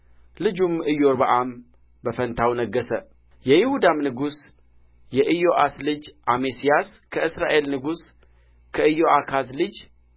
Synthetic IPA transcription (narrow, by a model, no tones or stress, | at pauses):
lɨd͡ʒumɨjoɾbəʔam | bəfənt̪ʰawnəɡːəsə | jɛjɪhud̪amnɨɡus | jɛʔɨjo̞ʔaslɨd͡ʒʔamesijas | kʰəʔɨsɾaʔe̞lnɨɡus | kʰəɨjoʔakʰazlɨd͡ʒ